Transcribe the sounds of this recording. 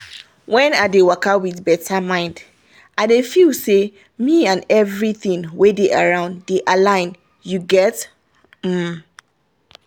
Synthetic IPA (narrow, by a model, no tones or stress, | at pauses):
wɛ̃nadewakawiθbɛtʰamãɪ̃nd | ʔadefilse | miãnɛvɹiθĩŋwedeʔa̰ɹãʊ̃ndeʔalãɪ̃n | juɡɛt | m̩